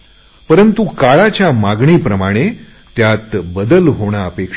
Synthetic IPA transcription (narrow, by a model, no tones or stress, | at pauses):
pəɾənt̪ukaɭat͡ɕjamaɡɳiːpɾəmaɽ̃e | t̪jat̪bəd̪əlɦoɳ̃aəpekʂ